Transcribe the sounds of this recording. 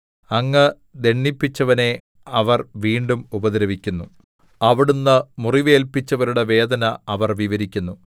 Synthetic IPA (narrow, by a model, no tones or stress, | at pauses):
ɐŋːɐ | d̪e̞ɳːipːit͡ɕːɐʋɐne̞ | ɐʋɐrʋiːɳɖumubɐd̪ɾɐʋikʲːunːu | ɐʋiɽunːɨmuriʋe̞ːlpit͡ɕːɐʋɐɾuɽe̞ʋe̞ːd̪ɐnɐɐʋɐrʋiʋɐɾikʲːunːu